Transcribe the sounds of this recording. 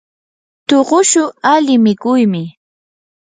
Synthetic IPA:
t̪oɢʊʃʊalɪmɪkʊjmɪ

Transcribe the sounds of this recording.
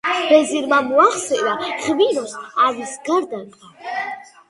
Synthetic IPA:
b̥ɛziɾmamuaχsɛɾaʁviɾɔsavisɡaɾd̪aɾqʼa

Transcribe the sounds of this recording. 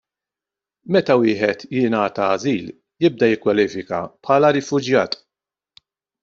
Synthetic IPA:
mɛt̪ɐwɪːħɛt̪jɪnɐːt̪ɐːziːl | jɪb̚d̪ɐjɪkːwɐliːfɪkɐ̰pħɐːlɐɾɪfʊd͡ʒjɐːt̪

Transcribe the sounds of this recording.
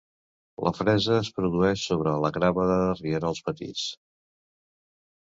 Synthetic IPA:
lʔə̰fɾɛzəːspɾuðuɛʃsoβɾələɣɾaβəðəðərieɾəlˠspət̪ḭt͡s

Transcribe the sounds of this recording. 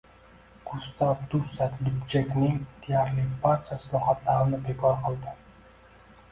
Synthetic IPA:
ɡ̥ʊst̪avd̪usat̪d̪ʊpt͡ʃekʲnɪŋd̪̥ejaɾlɪbaɾt͡ʃʰasɪlˠɒχat̪ʰlaɾɪnɪbe̞kʰɒɾqʰɨlˠd̪ɪ

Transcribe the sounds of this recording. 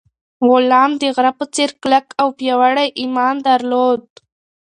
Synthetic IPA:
ɣʊlɑmd̪əɣɾapət͡seɾklakawpjɑwaɽajʔimɑnd̪aɾlod̪̚

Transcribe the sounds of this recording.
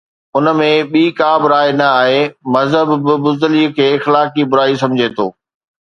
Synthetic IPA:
ʊnəmẽɓiːkaːbɾaːenɐaːɦemɐzɦəbbɪbʊzd̪əlikʰeːɪxlaːk̬ibʊɾaːis̬ɐ̃md͡ʑʱet̪ʰo̰ː

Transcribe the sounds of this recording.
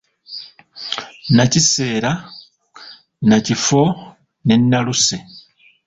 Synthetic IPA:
nacise̞ːɾa | nacifo | ne̞nːaluse

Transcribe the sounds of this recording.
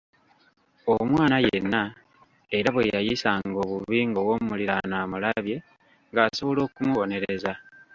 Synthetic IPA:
omwaːnajenːa | eɾaβwejajisaŋɡo̞ːβuiːŋɡo̞wo̞muliɾanaːmulaβje̞ | ŋɡaːso̞βo̞lo̞ːkumuβo̞ne̞ɾeza

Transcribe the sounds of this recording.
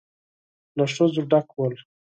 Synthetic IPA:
naʂozuɖakwəl

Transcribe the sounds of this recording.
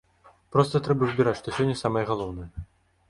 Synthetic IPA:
pɾɔst̪ɐt̪ɾɛbɐzʲbʲiɾat͡sʲʂt̪ɔsʲɔnʲːɛsamɐjɛɣalˠɔwnɐjɛ

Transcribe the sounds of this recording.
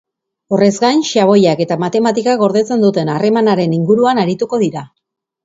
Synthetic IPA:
o̞re̞zɡajnʃaβ̞o̞jake̞t̪amat̪e̞mat̪ikaɣo̞ɾðe̞t͡se̞nd̪ut̪e̞nare̞manaɾe̞niŋɡuɾuanaɾit̪uko̞ðiɾa

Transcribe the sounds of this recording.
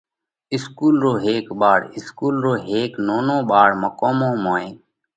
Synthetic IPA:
ɪskuːlɾoːɦeːkɓaːɽɪskuːlɾoːɦeːknoːnõːɓaːɽməkoːmõːmoːẽː

